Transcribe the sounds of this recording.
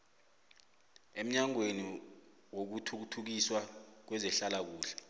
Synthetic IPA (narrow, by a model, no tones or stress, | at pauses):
em̩ɲaŋweni | wok̬utʰuk̬utʰuk̬iswak̬wɛzɛɬalak̬uːɬɛ̥